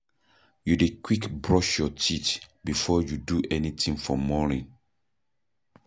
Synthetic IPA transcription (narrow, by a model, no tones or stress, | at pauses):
judekwikbɹɔʃjɔtitbifɔjuduʔɛnitĩŋfɔmɔnĩŋ